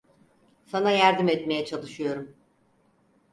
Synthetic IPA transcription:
sanajæɾd̪imɛt̪me̞jɛt͡ʃʰalˠɯʃɯjo̞ɾum

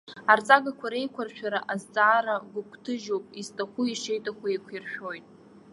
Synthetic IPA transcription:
art͡sʼaɡakʷʰaɾe̞jkʷʰarʃᶣaɾaʔazt͡sʼaːɾaɡʷʊkʷʰtʰɨʒowpʼiztʰʼaχʷuiʂejtʼakʷaekʷʰirʃᶣo̞jtʼ

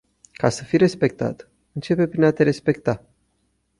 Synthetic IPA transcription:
kasəfiɾe̞spe̞k̚t̪a̰t̪ | ɨnt͡ʃe̞pe̞pɾinat̪e̞ɾe̞spe̞kt̪a

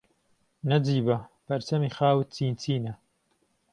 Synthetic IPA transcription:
nɐd͡ziːbɐpʰɐɾt͡sɐmiːxaːwɨt̪̚t͡siːnt͡siːnɐ

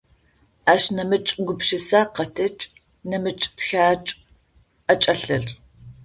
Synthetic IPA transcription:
aːʃnɐmɨt͡ʃʼɡʷʊpʃɪsaːqɐtʰɐt͡ʃʼ | nɐmɨt͡ʃʼtxaːt͡ʃʼ | ɐt͡ʃʼɐɬɐr

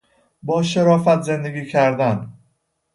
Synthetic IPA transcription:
bɒːʃeɾɒːfæt̪ʰze̞nd̪eɡʲiːcʰæɾd̪æn

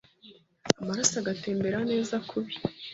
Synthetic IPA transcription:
amaɾasaɡate̞ːmbe̞ɾane̞ːzakʰuɾi

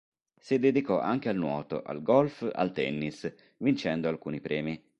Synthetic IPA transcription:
sid̪ed̪ikɔʔaŋk̟ealnwɔːt̪o̰ʔa̰lɡɔlfa̰lt̪ɛ̰nːis | vint͡ʃɛnd̪oalkuːnipɾɛːmi

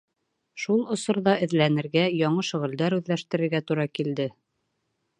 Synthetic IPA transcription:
ʃulˠŏsŏɾðɑɘ̆ðlænɘ̆ɾɡæjɑɴɤʃŏʁɘ̆ld̪æɾʉðlæʃt̪ɘ̆ɾɘ̆ɾɡæt̪uɾɑkild̪ɘ

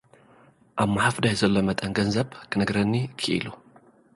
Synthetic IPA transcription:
ʔaβmaħafd̪ajzɐlːomɐt̪ʼɐnɡɐnzɐβkʰɨnɨɡɾɐnːikʰɨʔḭlu

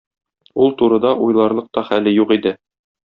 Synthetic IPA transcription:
ulˠt̪uɾɤ̆d̪ɑʔujlˠɑɾlˠɤq̚t̪ɒχælɘjuqid̪ɘ

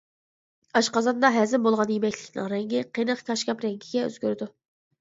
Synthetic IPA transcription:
ɑʃqɑzɑnd̪ɑɦɛzɪmbolˠʁɑnjemɛkʲʰlʲɪ̥kʲnɪ̰ŋɾɛŋɡʲɪqʰenəχkʲʰɑʃkʲɑpɾɛŋɡʲiɡʲɛø̰z̥ɡʲøɾɪd̪u

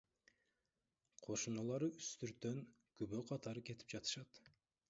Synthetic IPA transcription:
qʰo̞ʃunɑlˠɑɾɯyst̪yɾt̪ːø̞ŋ | kyβøqʰɑt̪ɑɾɯke̞t̪i̥p̚d͡ʒɑt̪ɯ̥ʃɑt̪

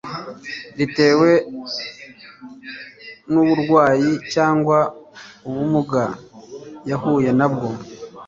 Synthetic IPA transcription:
ɾite̞ːwe̞ | nuβuɾɡwaːjicaːŋɡwauβumuɡa | jahuːje̞nabɡo̞

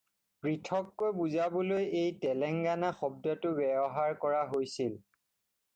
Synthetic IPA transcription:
pɹitʰɔkːojbuzabɔlojejtɛlɛŋɡanaxɔb̚dɔtʊbɛbɔɦaɹkɔɹaɦojsil

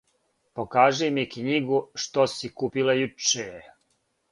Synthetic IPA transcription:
pokaːʒemikɲiɡuʃt̪osikuːpilˠajut͡ʃe

